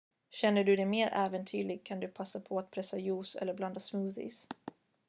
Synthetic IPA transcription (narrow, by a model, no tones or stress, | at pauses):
ɕɛnːəɖɵd̪ɛmeːɾʔæːvənt̪ʰyːlɪɡ̚kʰand̪ɵpʰasːapʰɔat̪̚pʰɾɛsːajuːsɛ̰lːəɾbland̪asmʉːθɪ̰s